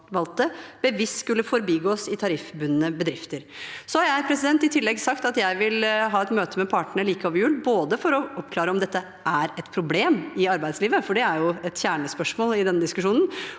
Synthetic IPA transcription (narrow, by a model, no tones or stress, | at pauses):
ʋɑlt̪əb̥əʋiskʉlːəfɔɾbiːɡoːsɪt̪ʰɑɾɪfbʉnənəbəd̪ɾɪft̪əɾsɔhɑɾjæɪpʰɾɛsɪd̪ɛnt̪ɪt̪ʰɪlːɛɡsɑkt̪ɑt̪jæɪʋɪlɦɑːɛt̪møːt̪əmɛpʰɑːʈəɳəɭiːkəɔːʋjʉːlboːd̪əfɔɾɔʔɔpkʰlɑːɾəɔmd̪ɛt̪ːə | ʔæɾɛt̪pʰɾʊbleːmɪɑɾbæɪd̪sliːʋəfɔɖɛæɾjʊɛt̪çæːɳəspœʂmoːlɪd̪ɛnːəd̪ɪskʉʂuːnn̩